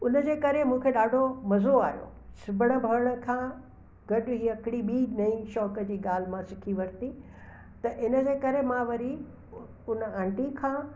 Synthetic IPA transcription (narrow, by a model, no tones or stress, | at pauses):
ʊnəd͡ʑeːkɐɾemũːkʰeɗaːɖʱomɐzoaːijo̰ | sɪbʱəɽ̃ə̆bʱɐɾəɽ̃ə̆kʰãː | ɡ̥ɐɗʊɦiːɐkɪɽ̃iɓinɐĩʃɔːkəd͡ʑiːɠaːl̤ɪmãsɪkʰiʋɐɾt̪i | t̪ɐʔɪnə̆d͡ʑeːkɐɾemãʋɐɾi | ʊnə̆ãːɳʈikʰãː